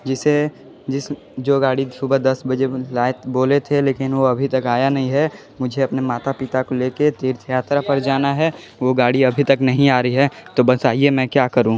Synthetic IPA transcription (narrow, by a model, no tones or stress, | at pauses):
d͡ʒɪse | d͡ʒɪs | d͡ʒoːɡaːɽisʊbəd̪ɐsbɐd͡ʒelaːɪt̪boːlet̪ʰeleːkɪnʋoɐbʱit̪ɐkaːjanɐɦĩɦɛ | mʊd͡ʒʱeɐpnemaːt̪apɪt̪akoleːket̪iːɾt̪ʰjaːt̪ɾapɐɾd͡ʒaːnaɦɛ | ʋoɡaːɽiɐbʱit̪ɐknɐɦĩaːɾɐiɦɛt̪obɐsaːiemɛ̃kjaːkɐɾũː